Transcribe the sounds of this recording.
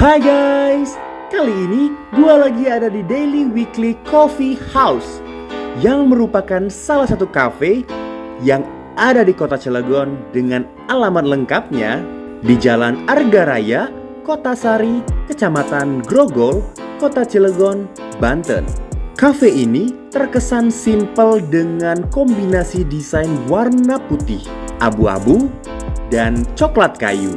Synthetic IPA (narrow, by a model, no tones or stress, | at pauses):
hajɡajs | kaliːnidualaɡiadadideliwiklikɔfihaws | jaŋməɾupakansalahsat̪ukafe | jaŋ | adadikot̪at͡ʃələɡɔndəŋan | alamanləŋkap̚ɲa̰ | did͡ʒalanarɡaɾa̰ja | kot̪asaɾikət͡ʃamat̪anɡɾoɡɔlkot̪at͡ʃeləɡɔn | bant̪ə̰nkafeinit̪ərkəsansimpəldəŋankɔmbinasidisajnwarnaput̪ɪh | ʔabua̰bu | dant͡ʃɔklat̪̚ka̰jṵ